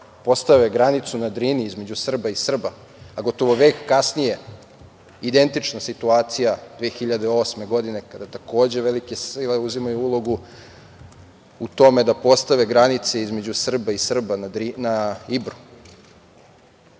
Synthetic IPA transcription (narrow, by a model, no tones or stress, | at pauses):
po̞st̪aʋeɡɾanit̪sunad̪ɾiniizme̞d͡ʑusr̩baisr̩baː | ɡo̞t̪o̞ʋo̞ʋe̞ːkːasnije̞ | id̪e̞nt̪it͡ʃnasit̪uaːt̪sijad̪ʋeːxiʎad̪eo̞sme̞ɡo̞d̪ine̞kad̪at̪ako̞ːd͡ʑe̞ʋelikesiːleuzimajuulˠo̞ɡu | ut̪o̞me̞d̪apo̞st̪aʋeɡɾanit̪seizme̞d͡ʑusr̩baisr̩banad̪ɾinaibɾu̥